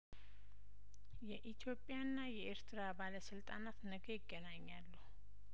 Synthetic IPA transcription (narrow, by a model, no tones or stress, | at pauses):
jɛʔit̪ʰjo̞pʼjanːajɛʔeɾt̪ʰɨɾabaləsɨlt̪ʼanat̪nəɡəjɪɡːənaɲːalːu